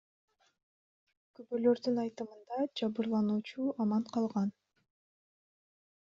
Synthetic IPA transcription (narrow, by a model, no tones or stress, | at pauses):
kybølø̞ɾd̪ynɑjt̪ɯmɯnd̪ɑd͡ʒɑβɯɾlˠɑnuːt͡ʃuɑmɑɴqʰɑlˠʁɑn